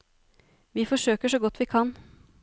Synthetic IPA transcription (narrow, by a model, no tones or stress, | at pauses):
ʋiːfɔʂøːkəʂɔɡɔt̪ːʋiːkʰɑn